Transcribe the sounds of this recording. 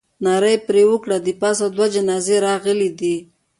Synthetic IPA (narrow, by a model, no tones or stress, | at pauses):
nɑɾəjpɾewʊkɽad̪ipɑsad̪wad͡ʒanɑzeɾɑɣəlid̪i